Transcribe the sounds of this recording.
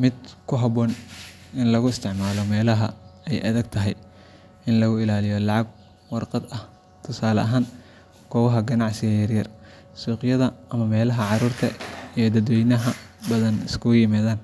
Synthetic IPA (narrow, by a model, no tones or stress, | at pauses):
mɪd̪kʰʊɦɐβɔːn | ʔɪnlɐɣʊɪst̪ʰɪʕmaːlɔmɛːlɐɦɐɛjʔɐðɐɡ̚t̪ʰɐɦɛj | ɪnlɐɣʊɪlaːlɪjɔlɑʕɑɡ̚ | wɑrqɑd̪ɐh | t̪ʰʊsaːlɐ̰ʔɐɦaːn | kʰɔːwɐɦɐɡɐnɑʕsɪɣɐjɐrjɐr | suːqjɐðɐʔɐmɐmɛːlɐɦɐʕɑruːrt̪ʰɐijɞd̪ɐd̪wɛjnɐɦɐbɐðɐnɪskʰʊjɪmaːðaːn